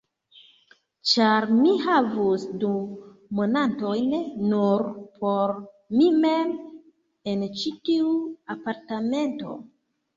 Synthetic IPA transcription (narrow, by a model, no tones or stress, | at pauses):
t͡ʃaɾmihavusduː | onanto̞jnːuɾpʰo̞ɾ | mime̞m | e̞nt͡ʃitiuapaɾtame̞nto̞̰